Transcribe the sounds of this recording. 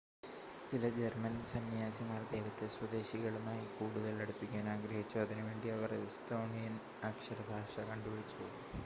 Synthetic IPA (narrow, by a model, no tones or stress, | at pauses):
t͡ɕilɐd͡ʑermɐnsɐnjaːsimaːrd̪eːʋɐt̪ːɐswɐd̪e̞ːɕiɣɐɭumaːjikuːɽuðɐɭeɽupːikʲːaːnaːɡɾɐɦit͡ɕːuɐðinuʋe̞ːɳɖiɐʋɐrest̪o̞ːnijɐn | aːkʂɐɾɐbʱaːʂɐkɐɳɖuʋɐɾit͡ɕːuou